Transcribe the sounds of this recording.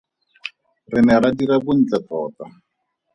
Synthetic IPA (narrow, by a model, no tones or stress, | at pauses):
rɪnɛɾadiɾabʊn̩t͡ɬatɔːta